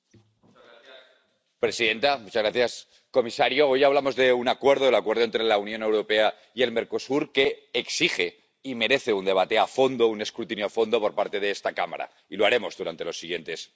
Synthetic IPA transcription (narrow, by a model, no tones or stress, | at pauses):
m | pɾe̞siðe̞nt̪amut͡ʃazɣɾaθjas | ko̞misaɾjo̞ojaβlamo̞zðe̞unakwe̞ɾð̞oelakwe̞ɾðoent̪ɾe̞launjone̞wɾo̞pe̞a | ie̞lme̞ɾko̞suɾke̞ːksixe̞ | ime̞ɾe̞θeund̪e̞β̞at̪e̞afo̞nd̪o̞une̞skɾut̪injoafo̞nd̪o̞poɾpaɾt̪e̞ð̞eest̪akama̰ɾa̰ | iloaɾe̞mo̞zðuɾant̪e̞lo̞sːiɣje̞nt̪e̞s